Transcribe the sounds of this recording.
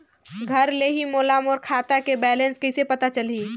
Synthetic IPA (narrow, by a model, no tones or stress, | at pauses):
ɡʱəɾleɦimoːlamoːɾkʰaːt̪akebɛːlẽnskəɪsepɐt̪at͡ʃəli